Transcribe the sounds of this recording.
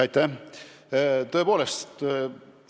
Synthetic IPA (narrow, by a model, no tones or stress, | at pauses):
ɑjt̪ːæ | t̪o̞epo̞ːlest̪